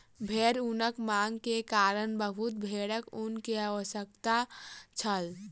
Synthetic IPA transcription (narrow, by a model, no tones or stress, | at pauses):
bʱeɾunəkmaŋɡkekaɾənbəɦut̪̚bʱeɽəkunkeəʋəʃəkt̪at͡ʃʰəl